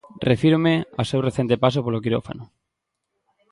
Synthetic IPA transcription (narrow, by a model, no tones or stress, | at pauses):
refiɾomea̰sewreθent̪epas̬opolokiɾo̰fa̰nʊ